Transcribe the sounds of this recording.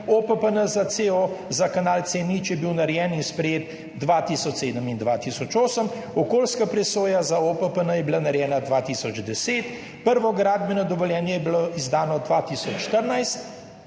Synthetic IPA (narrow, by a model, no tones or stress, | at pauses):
opəpənəzat̪seozakanaːlt̪senit͡ʃjɛbiwnaɾjɛːninspɾɛjeːt̪ | d̪ʋaːt̪iːsɔt͡ʃseːd̪əmind̪ʋat̪iːsɔt͡ʃoːsəm | ɔkoːlskapɾɛsoːjazaopəpənəjɛbilanaɾjɛːnad̪ʋaːt̪iːsɔd͡ʒd̪ɛseːt̪ | pəɾʋɔɡɾaːd̪̚bɛnɔd̪ɔʋɔljɛːnjɛjɛbiloizd̪aːnɔd̪ʋat̪isɔt͡ʃʃːt̪əɾnajst̪